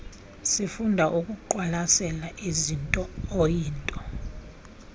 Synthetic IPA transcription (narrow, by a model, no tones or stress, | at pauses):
sifundʱaʔukʼuǃwalasɛlaʔizintʼɔojiːntʼɔ